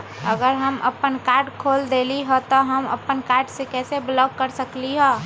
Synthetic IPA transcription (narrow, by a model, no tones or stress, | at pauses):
əɡəɾɦəmʔə̰pənkaːɾɖkʰoːld̪eːliɦɔt̪ɔɦəmə̰pənkaːɾɖsekɛːseblɔːkːəɾsəkliɦɛː